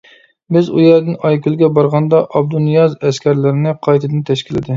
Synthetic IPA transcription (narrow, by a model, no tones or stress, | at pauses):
bɪzujæɾd̪ɪnɑjkʲylˠɡʲɛbɑɾʁɑnd̪ɑʔɑb̚d̪unijɑzɛskʲʰæɾlɪɾɪnɪqʰɑjt̪ʰɪd̪ɪnt̪ʰɛʃkʲilɪ̰d̪ɪ